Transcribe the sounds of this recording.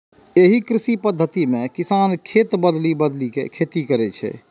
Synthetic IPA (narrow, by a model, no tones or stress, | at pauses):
eɦikɾisipəd̪ʱːət̪imekisankʰet̪bəd̪libəd̪likḛkʰet̪ikəɾɛt͡ʃʰɛ̰